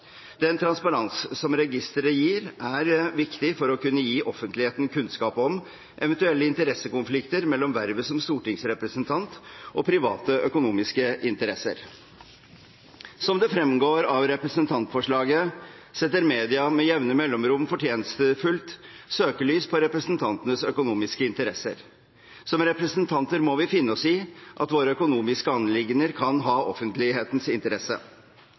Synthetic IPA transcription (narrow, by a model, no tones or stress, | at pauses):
d̪̥ɛnt̪ʰɾɑnspɑɾɑnssɔmɾɛɡɪst̪əɾəjiːɾæɾʋɪkt̪ɪfɔɾɔkʉnːəjiːʔɔfənt̪lɪheːt̪n̩kʰʉnskɑːpɔm | ʔɛʋɛnt̪ʉɛlːəɪnt̪əɾɛsəkʊnflɪkt̪əɾmɛlːɔmʋæɾʋəsɔmst̪uːʈɪŋsɾɛpɾəsənt̪ʰɑnt̪ʔɔpʰɾɪʋɑ̰ːt̪əʔœkʊnuːmɪskəʔɪnt̪əɾɛsə̰ɾ | sɔmd̪ɛfɾɛmɡoːɾɑʋɾɛpɾəsənt̪ʰɑnt̪fɔʂɭɑːɡə | sɛt̪ːəɾmeːd̪ɪɑmɛjɛʋnəmɛlːɔmɾʊmfɔʈʰjeːnəsəfʉlt̪søːkəɭyːspʰɔɾɛpɾəsnt̪ʰɑnt̪ənəsœkʊnuːmɪskəɪnt̪əɾɛsə̰ɾ | sɔmɾɛpɾəsənt̪ʰɑnt̪əɾmɔʋɪfɪnːəɔsiːʔɑ̰t̪ʋoːɾəœkʊnuːmɪskəɑnːlɪɡnəɾkʰɑnɦɑːʔɔfənt̪lɪɦeːt̪n̩sɪnt̪əɾɛsə̰